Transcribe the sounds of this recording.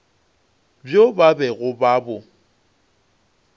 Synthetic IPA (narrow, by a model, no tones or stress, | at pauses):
bjobabɛɣʊbaːbʊ